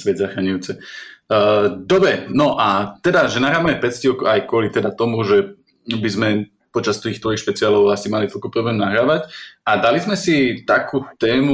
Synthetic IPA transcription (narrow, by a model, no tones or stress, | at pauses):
sʋɛd̪zaxɾaɲujut͡sɛ | d̪ɔbɾɛnɔʔat̪ɛd̪aʒɛnaɦɾaːʋamɛpɛt͡scikajkʊɔlit̪ɛd̪at̪ɔmuʒɛ | bizmɛ | pɔt͡ʃast̪iːxt̪ʋɔjixʃpɛt͡siaːlɔʊasimalit̪ɔlkupɾɔblɛːmnaɦɾaːʋacad̪alizmɛsit̪akuːt̪ɛːmu